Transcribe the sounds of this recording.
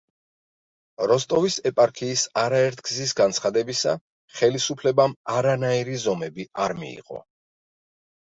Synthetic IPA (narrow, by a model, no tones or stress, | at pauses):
ɾɔst̪ʼɔvisɛpʼaɾkʰiːsaɾaɛɾt̪ʰɡzis̬ɡant̪sʰχad̪ɛbisa̰ | χɛlisupʰlɛbamaɾanaiɾizɔmɛbiaɾmḭḭːqʼɔ̰